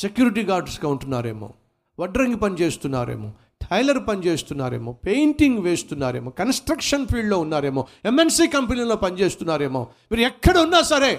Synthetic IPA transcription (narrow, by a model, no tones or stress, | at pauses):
sekjuːɾiʈ̬iːɡaːɾɖskɐuɳʈunːa̰ːɾḛːmo̰ː | ʋɐɖɾɐŋɡipɐnit͡ʃeːst̪unːa̰ːɾḛːmo̰ː | ʈʰɐjlɐɾpɐnit͡ʃeːst̪unːaːɾḛːmoːpejɳʈiŋɡʋeːst̪unːaːɾeːmoːkɐnsʈɾɐkʂɐnpʰiːɖloːunːaːɾeːmoːemensiːkɐmpɐniːlo̞ːpɐnit͡ʃeːst̪unːaːɾeːmoː | miːɾuɛkːɐɽɐunːaːsɐɾeː